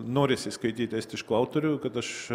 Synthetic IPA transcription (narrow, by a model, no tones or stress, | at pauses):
noːɾʲɪsʲɪskɐɪt̪ʲiːt̪ʲæːsʲt̪ʲɪɪʃklˠɐʊt̪oːɾʲʊkɐt̪ɐʃ